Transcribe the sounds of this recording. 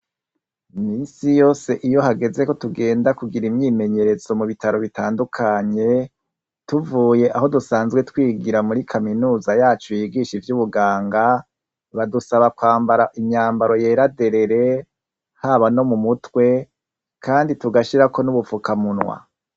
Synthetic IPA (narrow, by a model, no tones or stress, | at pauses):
miːnsijo̞ːse̞ʔijo̞ɦaɡe̞ze̞ko̞tuɡe̞ːndakuɡiɾimɲiːme̞ɲe̞ɾe̞z̥o̞muβitaɾo̞βitaːndukʰaɲe̞ | tuvuːje̞ʔaɦo̞dusaːnzɡwetwiːɡiɾamuɾikʰaminuːzajaːt͡ʃojiɡiʃivjuβuɡaːŋɡa | βadusaβakwaːmbaɾaʔiɲɲaːmbaɾo̞je̞ːɾade̞ɾe̞ɾe̞ | haβano̞mumutwe̞ | kʰaːndituɡaʃiɾakʰo̞nuβufukamunwa̰